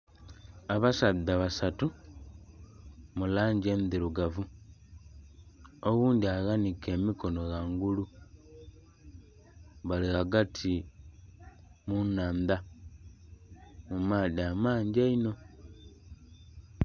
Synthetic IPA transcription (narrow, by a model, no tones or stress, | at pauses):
aβasaðːaβasatu | mulaːɲɟeːndiɾuɡavu | oɣuːndiaɣanike̞ːmiko̞no̞ɣaŋɡulu | βalihaɡatʰi | munaːnda | mumaːðiamaːɲɟaino̞